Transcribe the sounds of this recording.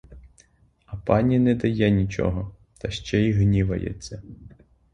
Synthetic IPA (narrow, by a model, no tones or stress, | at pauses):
ɐpɑnʲinɛd̪ɐjɛnʲit͡ʃɔ̰ɦɔ | t̪ɐʃt͡ʃɛiɦnʲiʋɐ̰jɛ̰t͡sʲːɐ